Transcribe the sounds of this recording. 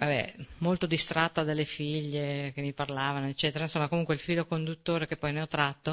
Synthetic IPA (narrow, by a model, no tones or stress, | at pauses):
vabɛ̰molt̪od̪ist̪ɾʔat̪ːad̪alːefiʎːek̟emːiparlaːvanoet͡ʃːɛːt̪eɾainsomːakomuŋkweilfiːlokond̪ut̪ːoːɾekepːɔjneɔt̪ːɾat̪ːo